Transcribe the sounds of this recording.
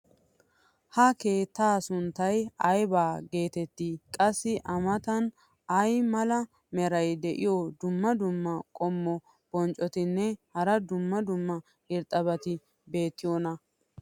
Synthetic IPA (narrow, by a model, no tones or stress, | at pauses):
hɐke̞ːt̪ːaːsʊnt̪ːɐjɐjbaːɡe̞ːt̪ɛt̪ːiːkʼɐsːɪʔɐmɐt̪ɐn | ɐjmɐlɐ | mɛɾɐjd̪ɛʔɪjɔd̪ʊmːɐd̪ʊmːɐkʼɔmːɔ | b̥ɔnt͡ʃʼɔt̪ɪnːɛhɐɾɐd̪ʊmːɐd̪ʊmːɐ | ɪɾt̪ʼːɐβɐt̪ɪ | be̞ːt̪ːɪjonɐ